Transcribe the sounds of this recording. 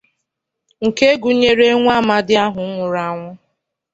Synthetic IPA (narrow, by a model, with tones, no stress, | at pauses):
ŋ̩˨ke˦ɡu˨˦ɲe˦ɾe˦ŋʷ˦a˦˨ma˦dɪ˦a˦ɦʊ˨˦ŋʷʊ˨ɾa˦ŋʷʊ˦